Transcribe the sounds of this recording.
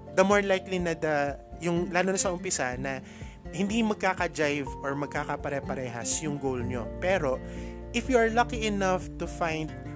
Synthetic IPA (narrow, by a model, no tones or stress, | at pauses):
d̪ɐmoɹlajklinɐd̪ɐjʊŋlaːnonɐsɐʔʊmpɪsanɐ | hɪnd̪imɐɡ̚kaːkɐd͡ʒajvoɹmɐɡ̚kakɐpɐɾɛpɐɾɛːɦɐsjʊŋɡowlɲo̞̰pɛɾo̞ | ʔɪfjuɐɹlɐkiʔɪnɐft̪ʊfãjnd̪̚